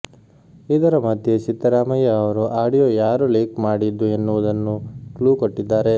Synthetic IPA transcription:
id̪ɐɾɐmɐd̪ʱje̞t͡ʃit̪ːɐɾaːmɐjɐːʋɐɾuʔaːɽijoːjaːɾuliːkmaːɽid̪ːue̞nːuʋud̪ɐnːukluːkoʈːid̪ːaːɾe̞

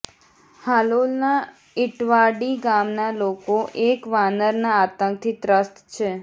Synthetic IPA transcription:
halolna | ɪʈʋaɖiɡamnalokoʔekʋanəɾnaːt̪əŋk̚t̪ʰit̪ɾəst̪t͡ʃʰe

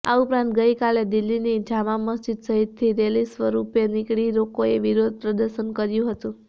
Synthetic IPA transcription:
a̰upɾãnt̪̚ɡəikaled̪ilːinid͡ʒaʋaməsd͡ʒid̪səɦit̪ʰːiɾelisʋəɾupenikɽiɾokoeʋiɾod̪̚ʱpɾəd̪əɾʃənkəɾjũɦət̪ũ

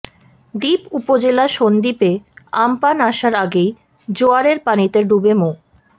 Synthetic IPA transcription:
d̪ipupod͡ʑelaʃond̪ipeampanaʃaɾaɡej | d͡ʑoaɾeɾpanit̪eɾɖubemo

